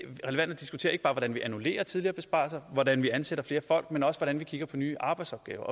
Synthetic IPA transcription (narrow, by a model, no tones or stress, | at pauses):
ʁɛleʋæn̰d̥ɐd̥isɡ̥ut͡sʰe̝̰ɐe̝ɡ̥b̥ɑ̈ːʋɒd̥ænʋiʔænule̝̰ːɐt͡sʰið̞ˠliɐːbe̝sb̥ɑ̰̈ːsɑɪʋɒdænʋiænseɾ̥ɐfle̝ːɐfɒ̽l̰ɡ̥menɒ̽səʋɒɾænʋikʰiɡ̥ɐpʰɒ̽nyːʔɑ̈ːb̥ɑ̈ɪdsɒ̽b̥̚ɡ̥ɛ̰ːʊɐʔ